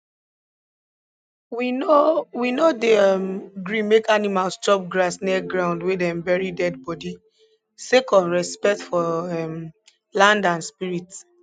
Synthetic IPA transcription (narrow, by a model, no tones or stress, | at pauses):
wiowinodeɛmɡɹĩmekanimalst͡ʃɔp̚ɡɹasniɡɹãʊ̃ndwedɛ̃mbɛɹidɛd̚bɔdi | sekɔ̃nɹɛspɛk̚tfɔɛm | lãndãnspiɹit